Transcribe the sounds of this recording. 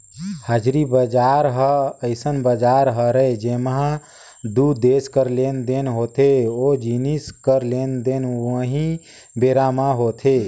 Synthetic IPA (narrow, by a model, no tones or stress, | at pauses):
həd͡ʒɾibəd͡ʒaɾɦəəɪsənbəd͡ʒaɾɦəɾəed͡ʒemɦã | d̪ud̪eskəɾlend̪enɦot̪ʰeod͡ʒiniskəɾlend̪enə̃ɦĩ | beɾamaɦot̪ʰe